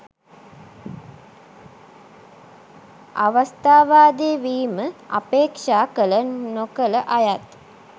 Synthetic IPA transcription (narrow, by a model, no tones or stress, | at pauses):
aʋɐst̪aːʋaːd̪eːʋiːməa̰peːkʂaːkələnokələʔajat̪